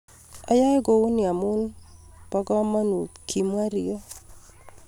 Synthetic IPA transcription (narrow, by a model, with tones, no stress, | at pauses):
a˨˦ja˦ɡo˦u˦nɪ˨a˨mʊ˦lpa˦ɡɔ˦ma˦nu˨kʰi˨m˦a˦ɾɪ˦jɔ˦